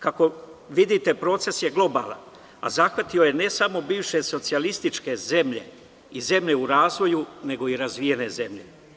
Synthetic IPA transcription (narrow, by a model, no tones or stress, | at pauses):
kako̞ʋid̪it̪e̞pɾo̞ːt̪se̞sje̞ɡlˠo̞ba̰ːlˠa̰n | a̰zaxʋat̪io̞je̞ne̞samo̞biːʋʃe̞so̞t̪sialist̪it͡ʃke̞ze̞mʎe̞̰ | ize̞mʎe̞uɾaːzʋo̞june̞ɡo̞iɾazʋije̞ne̞ze̞mʎe̞